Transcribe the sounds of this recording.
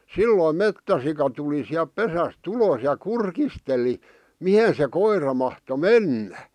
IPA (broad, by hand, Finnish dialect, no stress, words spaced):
silːoim metːæsikɑ tuli siæp pesæst ulos jɑ kurkisteli mihe se koirɑ mɑhto menːæ